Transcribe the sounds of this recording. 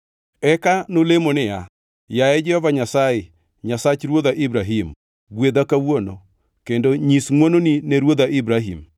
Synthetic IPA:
ɛkanolemonɪja | jaɛd͡ʒɛhɔvaɲasaɪ | ɲasat͡ʃɾwoðaʔibɾaɦim | ɡwed̪akawono | kendoɲisŋwononineɾwod̪aʔibɾaɦḭm

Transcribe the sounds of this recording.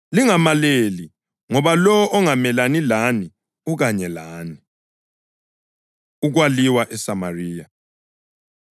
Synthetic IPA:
liŋamaleli | ŋɔβalɔɔʔɔŋamɛlanilani | uk̬aɲɛlaːni | uk̬waliwaʔɛsamariːja

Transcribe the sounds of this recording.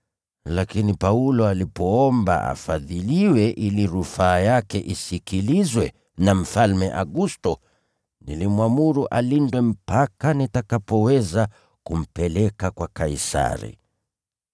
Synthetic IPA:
lakinipaulɔalipɔɔmba̰ʔa̰faðiliwɛʔiliɾufaːjakɛʔisikilizwɛ | nam̩falmɛʔaɡustɔ | nilimwamuɾuʔalindwɛm̩pakanitakapɔwɛza | kum̩pɛlɛkakwakaisa̰ɾḭ

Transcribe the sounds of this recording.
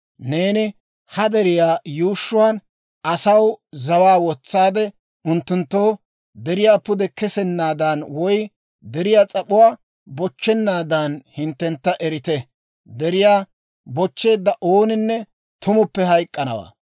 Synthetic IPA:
ne̞ːnɪ | hɐd̪ɛɾɪjaːjuːʃːʊwaːn | ɐsɐwzɐwaːwɔt͡sːaːd̪ɛ | ʊnt̪ːʊnt̪ːoː | d̪ɛɾɪjaːpʊd̪ɛkɛsɛnːaːd̪ɐnwɔj | d̪ɛɾɪjaːt͡sʼɐpʊwaː | bɔt͡ʃːɛnːaːd̪ɐnhɪnt̪ːɛnt̪ːɐʔɛɾɪt̪ɛ | d̪ɛɾɪjaː | bɔt͡ʃːe̞ːd̪ːɐʔo̞ːnɪnːɛ | t̪ʊmʊpːɛhɐjkʼːɐnɐ̰wa̰ː

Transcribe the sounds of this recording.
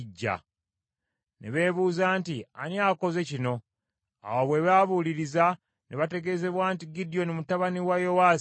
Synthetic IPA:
ɟːa̰ | neβe̞ːβuːzaːntia̰njaːko̞ze̞cino̞ | a̰waβwe̞βaːβuliɾiza | nʔeβate̞ɡe̞ze̞βwaːntiɡidijo̞nimutaβaniwajo̞waː

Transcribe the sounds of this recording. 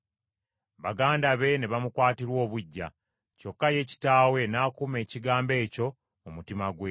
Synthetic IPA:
βaɡaːndaβe̞ne̞βamukwaːtiɾwo̞ːβuɟːa̰ | co̞kːaje̞ːci̥taːwe̞naːkume̞ːciɡaːmbe̞ːco̞ | omutimaɡwe

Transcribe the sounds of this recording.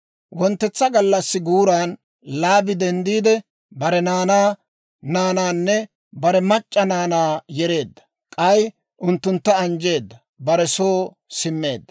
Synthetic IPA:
wɔnt̪ːɛt͡sːɐɡɐlːɐsːɪɡuːɾaːn | laːbɪd̪ɛnd̪iːd̪ɛ | bɐɾɛnaːnaː | naːnaːnːɛ | bɐɾɛmɐt͡ʃʼːɐnaːnaːjɛɾe̞ːd̪ːɐ̥ | kʼɐj | ʔʊnt̪ːʊnt̪ːɐɐnd͡ʒe̞ːd̪ːɐ | bɐɾɛsoː | sɪmːe̞̰ːd̪ːɐ̥

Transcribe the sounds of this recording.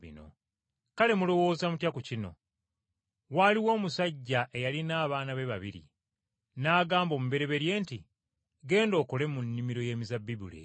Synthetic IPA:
ḭno̞̰ | kale̞mulo̞wo̞ːzamutjakucino̞̰ | waːliwo̞ːmusaɟːaʔe̞jalinaːβaːnaβe̞βaβiɾḭ | naːɡaːmbo̞ːmube̞ɾe̞βe̞ɾje̞ːnti | ɡe̞ːndo̞ːkole̞munːimiɾo̞je̞ːmizabːiβulḛ

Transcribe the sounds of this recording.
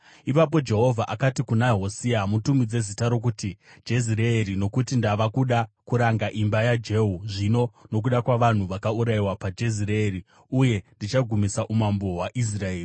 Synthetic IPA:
ipap̬o̞d͡ʒe̞ɦo̞vʱaʔakatikunaɦo̞siamutumid͡ze̞zitaɾo̞k̬utid͡ʒezireeɾino̞kutindaʋakuɗakuɾaŋɡaʔimbajad͡ʒe̞ɦuʐino̞no̞k̬uɗakwaʋan̤uʋakauɾaiwapad͡ʒe̞zireeri | uje̞ndit͡ʃaɡʱumisaʔumamboɦwaʔis̬rae̞ːri

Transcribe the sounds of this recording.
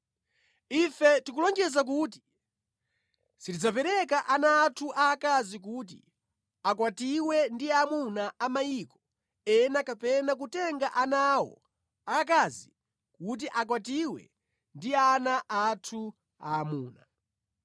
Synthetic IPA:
ifɛtikulɔŋɡɛzak̬uːt̬i̥ | sitid͡zapɛɾɛkaʔanaːtʰuʔakazik̬ut̬ḭ | akwatiwɛndiamunaʔamajiːkɔ̥ | ɛnakapɛnak̬utɛŋɡaʔanawɔ̰ | ak̬aːzi | kut̬iʔak̬watiwɛ̰ | ndianaʔatʰu | a̰ːmuːna

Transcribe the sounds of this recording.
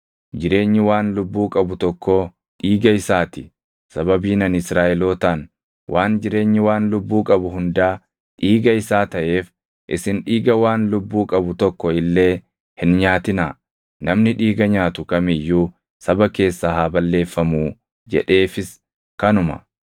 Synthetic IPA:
d͡ʒɪɾe̞ːɲːɪwaːnlʊbːuːkʼɐbʊt̪ɔkːɔ | ᶑiːɡɐɪsaːt̪ɪ | sɐbɐbiːnɐnɪsɾaːʔɛlo̞ːt̪aːn | wʔaːnd͡ʒɪɾe̞ːɲːɪwaːnlʊbːuːkʼɐbʊɦʊnd̪aː | ᶑiːɡɐɪsaːt̪ɐʔe̞ːf | ʔɪsɪnᶑiːɡɐwaːnlʊbːuːkʼɐbʊt̪ɔkːɔɪlːe̞ː | hɪnɲaːt̪ɪnaː | nɐmnɪᶑiːɡɐɲaːt̪ʊkɐmɪjːuː | sɐbɐke̞ːsːaɦaːbɐlːe̞ːfːɐmuː | d͡ʒɛ̰ᶑe̞ːfɪs | kɐnʊmɐ̰

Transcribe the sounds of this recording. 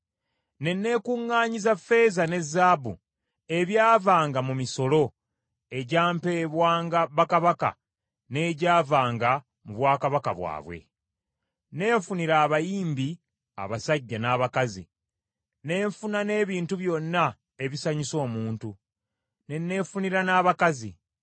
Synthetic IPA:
ne̞nːe̞ːkuŋːaːɲizafe̞ːzane̞zːaːbṵ | e̞βjaːvaːŋɡamumiso̞lo̞ | e̞ɟaːmpeβwaːŋɡaβakaβaka̰ | ne̞ːɟaːvaːŋɡa | muβwaːkaβakaβwa̰ːβwe̞̰ | ne̞ːɱfuniɾaːβajiːmbi | a̰βasaɟːanaːβakazḭ | ne̞ːɱfunane̞ːβiːntuβjo̞nːa | e̞βisaɲiso̞ːmuːntu | nenːe̞ːɱfuniɾanaːβakazi

